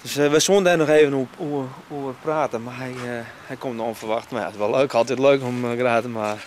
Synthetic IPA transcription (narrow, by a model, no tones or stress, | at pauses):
døsʋəsuəndɛnɔxeːvənuuuərpraːtəmaɦɛjhɛjkomtdɔnfərʋɑxtmaja̰ɪsʋɔlˠøːkɔlˠtitløːkɔmɡraːtəma